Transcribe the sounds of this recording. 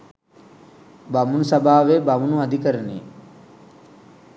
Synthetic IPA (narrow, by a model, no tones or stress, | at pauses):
bamunusabaːʋebamunuad̪ikəɾənḛ